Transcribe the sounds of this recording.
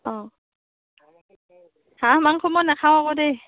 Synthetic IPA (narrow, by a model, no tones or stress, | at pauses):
ɔ | hamaŋkʰɔmɔnakʰawakode